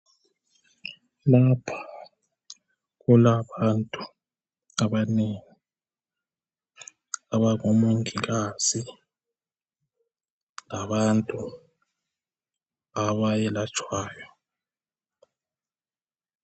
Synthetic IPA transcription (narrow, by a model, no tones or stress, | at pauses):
lapʰḁ | ɣulaβantʼu | aβaneːŋi | aβaŋomuŋiɣaz̥i | laβantʼu | aβajɛlat͡ʃʼʰwaːjɔ